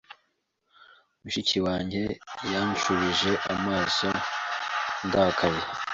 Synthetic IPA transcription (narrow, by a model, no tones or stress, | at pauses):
umuʃit͡ʃiwaːɲɟe̞janʃuβiʒe̞ʔamaːso̞ | ŋɡakʰaje